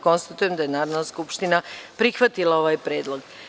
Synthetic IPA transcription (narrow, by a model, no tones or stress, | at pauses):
ko̞nst̪at̪ujemd̪ajenaːɾod̪naskupʃt̪inapɾixʋat̪ilˠao̞ʋaːjpɾe̞ːd̪lˠo̞ɡ